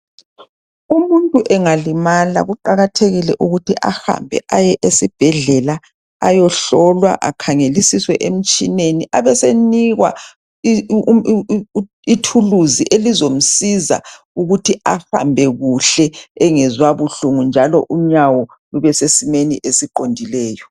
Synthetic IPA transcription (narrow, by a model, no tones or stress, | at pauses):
umuntʼuʔɛŋalimala̰ɣuǃaɣatʰeɣilɛʔuɣutʰiʔaha̰mbʱɛ̰ʔajɛʔesib̥ʱɛɮɛla | ajɔɬɔlwa̰ʔa̰kʰaŋelisiswɛ̰ʔem̩t͡ʃʼineniʔaβɛseniɣwa̰ | itʰuluziʔelizom̩siza̰ | uɣutʰiafa̰mbʱɛɣuɬɛɛŋɛzwaβuɬuŋund͡ʒʱalɔ̰ʔuɲawɔ | luβɛsesimeniʔesiǃondʱilɛːjɔ